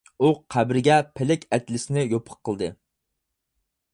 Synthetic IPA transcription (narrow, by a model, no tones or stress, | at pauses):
uqʰæbɾɪɡʲɛpʰɪlɪkʲɛt̪lɪsɪnɪjopʰə̥qʰːəlˠd̪ɨ